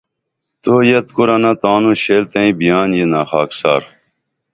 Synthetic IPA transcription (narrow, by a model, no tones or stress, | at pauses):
t̪oːjɐt̪kuɾɐnãt̪aːnũːɕeːlt̪ɐĩːbijaːnjenaːxaːksa̰ːɾ